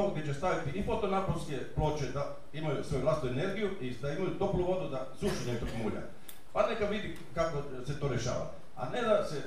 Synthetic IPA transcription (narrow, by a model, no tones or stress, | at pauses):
oɡd̪jet͡ʃest̪aʋit̪iʔifo̞t̪o̞napolskeplˠo̞ːt͡ʃed̪a | imajusʋo̞juʋlˠasit̪uene̞ɾɡijuid̪aimajud̪o̞bluʋo̞d̪ud̪a | zuːʃiɲet̪okmuːʎa̰ | anekaʋid̪i | kako | set̪o̞ːɾeʃa̰ːʋa̰ | a̰ned̪ase